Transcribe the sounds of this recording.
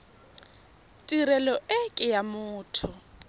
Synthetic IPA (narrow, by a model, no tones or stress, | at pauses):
tʼiɾɛlɔʔɪkʼɪjamʊːtʰʊ